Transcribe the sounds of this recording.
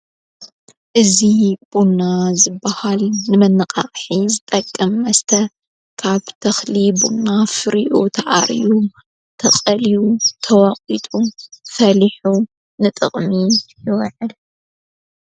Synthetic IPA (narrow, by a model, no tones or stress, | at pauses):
ʔɨzib̥unːazɨbːahalnɨmɐnɨqʼaχʼħizɨt̪ʼɐkʼːɐmːɐst̪ʰɐ | kʰaβt̪ʰɐxlibunːafɨɾiʔut̪ʰɐʔa̰ɾḭju | t̪ʰɐqʼɐlijut̪ʰɐwɐqʼit̪ʼufɐliħu | nɨt̪ʼɨ̰χʼmijɪwʕɨl